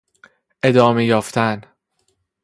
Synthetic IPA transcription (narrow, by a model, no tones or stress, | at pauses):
ʔe̞d̪ɒːme̞jɒːft̪ʰæn